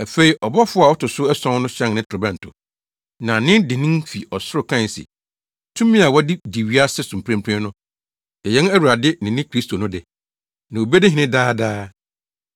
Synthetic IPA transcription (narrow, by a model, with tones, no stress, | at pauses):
æ˨fe˨i˨ʔɔ˨bɔ˦fʊ˦a˨wɔ˦tʊ˨sʊ˦ɛ˦sɔ̃˦n˦nʊ̃˦ɕɛ̃˦ŋnɪ̃˦tʰɾʊ˨bɛ̃˦n̩˨tʰʊ̰˨ | nã˨nɪ̃˦ndɪ˨nɪ̃˦nfi˨ɔ˨sʊ˦ɾʊ˨kʰã˦˨n˨sɪ̰˨ | tʰũ˦mĩ˦a˨wɔ˦dɪ˦di˨ɥi˦a˦sɛ˦sũ˨m˨pʰɾɛ̃˦mpʰɾɛ̃˦nʊ̃˦ | ɛ˨jɛ˦n˦æ˦wu˨ɾa˨dɪ˦nɪ̃˨nɪ̃˦kʰɾi˦stʰo˨nʊ̃˦dɪ˨ | nã˨o˨be˦dɪ˦ɦɪ̃˨nɪ̃˦daː˦daː˦